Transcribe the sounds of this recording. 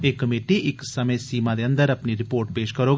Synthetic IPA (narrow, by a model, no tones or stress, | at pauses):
eːkːəmeːʈiʔɪksəmẽsiːmad̪eə̃nd̪əɾɐpniɾɪpoːɾʈpeːʃkəɾoːɡ